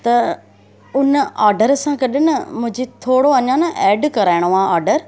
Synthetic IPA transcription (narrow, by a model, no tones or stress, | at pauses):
t̪ɐ | ʊnəaːɾɖəɾsãkɐɗɪnɪmʊ̃ɦɪ̃ɲd͡ʑet̪ʰoːɽoɐɲãnɐʔɛːɖkɐɾaːɪɽ̃oaːaːɾɖəɾ